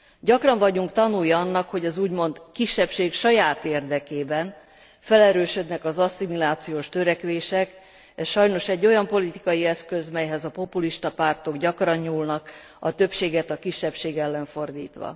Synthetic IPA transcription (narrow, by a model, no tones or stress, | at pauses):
ɟɒkrɒɱvɒɟuŋkt̪ɒnujɒɒnːɒkho̞ɟɒzuːɟmo̞nt̪kiʃːɛpʃeːkʃɒjaːt̪eːrd̪ɛkeːbɛn | fɛlɛɾøːʃø̞d̪nɛkɒzɒsːimilaːt̪sijoːʃt̪øɾɛkʋeːʃɛk | ɛsʃɒjno̞ʃɛɟːo̞jɒmpo̞lit̪i̥kɒjiɛskø̞zmɛjɦɛzɒpo̞puliʃt̪ɒpart̪o̞ɡɟɒkrɒɲɲuːlnɒk | ɒt̪ø̞pʃeːɡɛt̪ɒkiʃːɛpʃeːɡɛlːɛɱfo̞rd̪ḭːt̪ʋɒ̰